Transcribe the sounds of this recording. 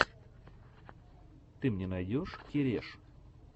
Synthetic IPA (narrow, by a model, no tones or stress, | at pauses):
t̪ɨmnʲenɐjdʲoʂkʲɪɾʲeʂ